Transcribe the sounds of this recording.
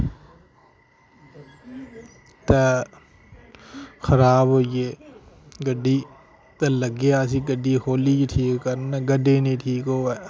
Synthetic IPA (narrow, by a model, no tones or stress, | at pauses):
t̪ɐ | xɐɾaːbɦoːieː | ɡəɖi | t̪ɐlɐɡeaːs̬iɡəɖːikoːliʈʰiːkkɐɾnaɡɐɖenĩʈʰiːkɦoːe